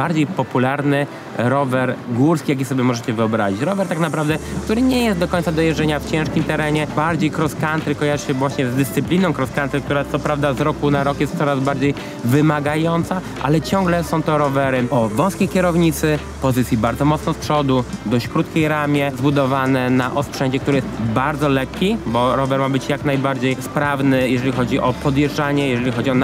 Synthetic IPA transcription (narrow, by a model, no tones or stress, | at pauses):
baɾd͡ʑejpɔpulaɾnɘ | ɾɔvɛɾɡuɾskʲijak̬jisɔbʲjɛmɔʐɛt͡ɕɛvɨɔbɾaʑit͡ɕɾɔvɛɾt̪aknapɾavd̪ɛkt̪uɾɘɲɛjɛst̪̚d̪ɔkɔɲʲt̪sad̪ɔjɛɛɲaft͡ɕɛ̃ʂkʲimt̪ɛɾɛɲɛbaɾd͡ʑejkɾɔskant̪ɾɘkɔjaʐɘɕɛvwaɕɲɛzd̪ɘst̪sɘplʲinɔ̃w̃kɾɔskant̪ɾɛk̚t̪uɾat̪sɔpɾavd̪azɾɔkunaɾɔkjɛst̪sɔɾazbaɾd͡ʑej | vɘmaɡajɔnt̪sa | ʔa̰lɛt͡ɕɔ̃ŋɡlɛsɔ̃w̃t̪ɔɾɔvɛɾɘɔvɔ̃w̃skʲejkʲɛɾɔvɲit̪sɘ | pɔzɘt̪sʲjibaɾd̪zɔmɔt̪snɔspʂɔd̪ud̪ɔɕt͡ɕkɾut̪kʲejɾamʲjɛzbud̪ɔvanɛnaʔɔspʂɛɲd͡ʑɛkt̪uɾɘjɛst̪baɾd̪zɔlɛkʲːibɔɾɔvɛɾmabɘt͡ɕjaknajbaɾd͡ʑejspɾavnɘjɛʐɛlʲixɔd͡ʑiʔɔpɔd̪jɛʐaɲɛjɛʐɛlʲixɔd͡ʑiɔn